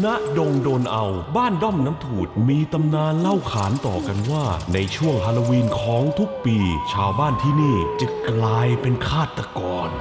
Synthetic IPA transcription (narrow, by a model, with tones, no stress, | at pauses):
na˦˥ʔdo˧ŋdoː˧nʔa˧wbaː˥˩ndɔ˥˩mna˦˥mt̪ʰuː˨˩t̪̚miː˧t̪a˧mnaː˧nla˥˩wkʰaː˩˦nt̪ɔː˨˩ka˧nwaː˥˩na˧jt͡ɕʰu˥˩əŋpʰaː˧la˧wiː˧nkʰɔː˩˦ŋt̪ʰu˦˥k̚piː˧t͡ɕʰaː˧wbaː˥˩nt̪ʰiː˥˩niː˥˩t͡ɕa˨˩klaː˧jpe˧nkʰaː˥˩t̪ːa˧kɔː˧n